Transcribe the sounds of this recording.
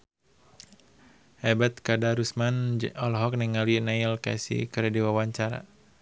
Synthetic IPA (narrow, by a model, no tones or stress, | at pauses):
ʔɛbɛt̪̚kadaɾusmanɔlɦɔk̚nɛŋalinailka̰sḭkəɾɛdiwawaɲt͡ʃaɾa̰